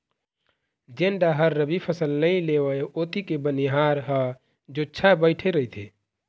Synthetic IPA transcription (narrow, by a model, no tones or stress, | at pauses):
d͡ʒeːɳɖaɦəɾːəbipʰəsəlnəĩleːʋəeoːt̪ikebəniɦaːɾɦə | d͡ʒoːt͡ʃʰabəɪʈʰeɾəɦit̪ʰeː